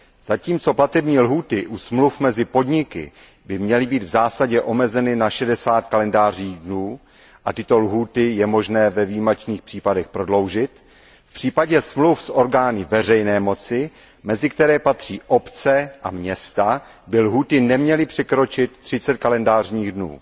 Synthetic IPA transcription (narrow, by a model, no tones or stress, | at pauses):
z̥aciːmt͡so̞plat̪ɛbɲiːlɦuːt̪ɪʔusmlufmɛzɪpo̞dɲɪkɪ̰ | bɪmɲɛlɪbiːd̪vzaːsaɟɛʔo̞mɛzɛnɪnaʃɛdɛsaːt̪kalɛndaːriːɣdnuː | ʔat̪ɪt̪o̞lɦuːt̪ɪjɛmo̞ʒnɛːvɛvijimɛt͡ʃniːxpr̥iːpadɛxpɾo̞dlo̞wʒɪt̪ | fpr̝̥iːpaɟɛsmlufsʔo̞ɾɡaːnɪvɛr̝ɛjnɛːmo̞t͡sɪ | mɛzɪkt̪ɛɾɛːpat̪r̝̥iːʔo̞pt͡sɛʔa̰mɲɛst̪a | bɪlɦuːt̪ɪnɛmɲɛlɪpr̥ɛkɾo̞t͡ʃɪt̪̚ːr̝̥ɪt͡sɛt̪̚kalɛndaːr̝ɲiːɣdnṵː